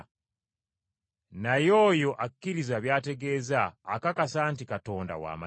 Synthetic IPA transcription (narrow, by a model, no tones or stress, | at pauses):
najo̞ːjo̞ʔakːiɾizaβjaːte̞ɡe̞ːzaːkakasaːntikato̞ːnda̰wa̰ːma̰